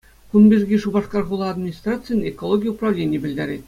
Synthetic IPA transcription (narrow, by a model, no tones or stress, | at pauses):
kunbʲerʲɡʲiʂubɑʂkɑrʁulˠɑːd̪mʲinʲist̪rat̪sɨjnʲekolˠoɡʲijəuprɑʋlʲenʲɪjbʲɘ̆lʲd̪ʲæɾʲetʲ